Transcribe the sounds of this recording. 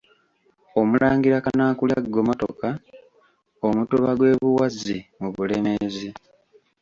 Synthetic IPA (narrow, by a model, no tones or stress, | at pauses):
o̞mulaːŋɡiɾakanaːkuljaɡːo̞moto̰ka | omutuβaɡwe̞ːβuwazimuβule̞mezi